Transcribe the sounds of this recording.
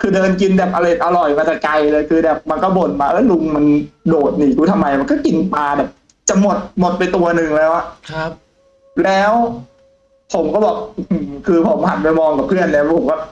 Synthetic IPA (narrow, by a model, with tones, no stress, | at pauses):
kʰɯː˧dɤː˧nki˧nbɛː˨˩p̚ʔa˧la˧˩˨ʔa˧ɾɔ˨˩jmaː˧t̪ɛ˨˩ka˧jlɤː˧jkʰɯː˧dɛː˨˩p̚ma˧nkɔː˥˩bo˨˩nmaː˧˩ʔa˦˥˩jlu˧ŋma˧ndoː˨˩t̪̚niː˨˩kʰuː˧t̪ʰa˧mːa˧jma˧nkɔ˥˩ki˧npaː˧bɛː˨˩p̚ | t͡ɕa˨˩mo˨˩t̪̚mo˨˩t̪̚pa˧jt̪u˧ɐnɯ˨˩ŋlɛː˦˥wa˨˩ʔ̚ʰ | lɛː˦˥w | pʰo˩˦mkɔː˥˩bɔː˨˩k̚ʔɯ˧˩kʰɯː˧pʰo˨˩˦mha˨˩t̪̚pa˧jmɔː˧ŋka˨˩pʰɯ˥˩ənːi˧˥˩ma˧pʰo˩˦kɔː˥˩